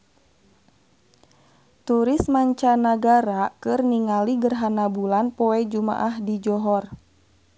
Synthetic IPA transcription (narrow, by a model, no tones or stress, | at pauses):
t̪uɾismaɲt͡ʃanaɡaɾakɨrniŋaliɡərɦanabulanpɔɛd͡ʒuma̰ʔahdid͡ʒɔɦɔr